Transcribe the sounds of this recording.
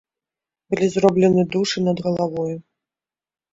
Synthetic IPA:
bɨlʲizrɔblʲɛnɨd̪uʂɨnɐd̪ɣɐlˠavɔju

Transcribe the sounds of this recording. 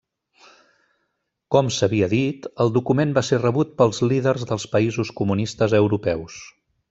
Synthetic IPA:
kɔmsəβiəðit̪əlˠd̪ukumembaserəβut̪̚pəlˠzliðərzðəlˠspəizuskumunist̪əzəwɾupɛws

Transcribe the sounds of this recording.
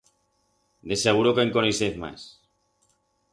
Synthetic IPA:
d̪eseɣ̞uɾokeŋkoneseθma̰s

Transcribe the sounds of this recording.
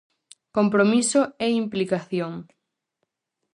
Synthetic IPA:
kompɾomisoeimplikaθjoŋ

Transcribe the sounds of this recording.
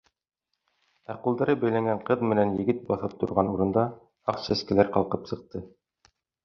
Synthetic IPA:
æquld̪ɑɾɤbæjlæŋɡæɴqɤðmɘ̆nænjɘ̆ɡɘt̪̚bɑθɤp̚t̪ŏɾʁɑnuɾɤ̆nd̪ɑ | ɑqsæskɘ̆læɾqɑlˠqɤpsɤ̆q̚t̪ɤ

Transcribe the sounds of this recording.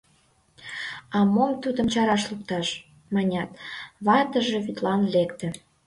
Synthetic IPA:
ɑmomt̪ud̪ə̆mt͡ɕɑɾɑʃluk̚t̪ɑʃ | mɑnʲɑt̪βɑt̪əʒeβyt̪lɑnlekt̪ĕ

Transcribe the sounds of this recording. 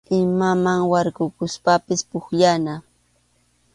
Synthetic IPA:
ɪmamaŋwɑɾɢʊkʊspapɪspʊkʎana

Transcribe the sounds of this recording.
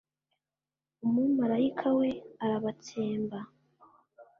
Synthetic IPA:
omumaɾaikʰawe̞aɾaβat͡seːmba

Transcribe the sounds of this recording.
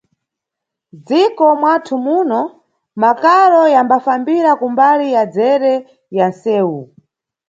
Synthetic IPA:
d͡zikɔmwatʰumuːnɔ | makaɾɔjambafambiɾakumbalijad͡zɛɾɛ | jansɛːwu

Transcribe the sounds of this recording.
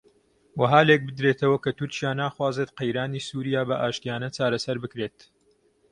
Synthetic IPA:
wɐɦaːlek̚bɨd̪ɾet̪ʰɐwɐkɐt̪ʊɾt͡ʃijaːnaːxwaːzet̪qejɾaːniːsuːɾijaːbɐʔaːʃt̪ijaːnɐt͡ʃaːɾɐsɐɾbɨkɾet̪

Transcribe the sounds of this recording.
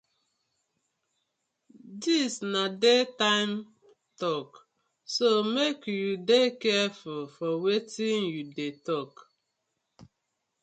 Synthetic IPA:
disnadetãɪm | tɔk | somekjudekɛfulfɔwetinjudetɔk

